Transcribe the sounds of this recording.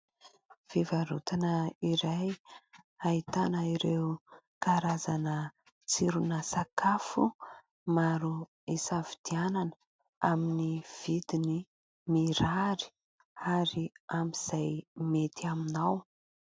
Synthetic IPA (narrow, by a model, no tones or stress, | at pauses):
v̥ivaɾṵt̪anəiɾaj | ait̪anəiɾew | kaɾazanə | t͡siɾunəsakafu | maɾu | isavid̪iananə | a̰miniv̥id̪ini | miɾaɾi̥ | aɾiamiz̥ajmet̪ʰiaminaw